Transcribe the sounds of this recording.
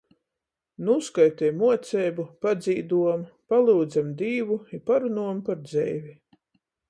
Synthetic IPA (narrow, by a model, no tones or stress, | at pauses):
nuskajt̪ɛjmuɔt̪sʲɛːbupad̪ziːd̪uɔmpalˠuːd̪zamd̪iːvuipaɾunuɔmpaɾd̪zɛ̰jvʲi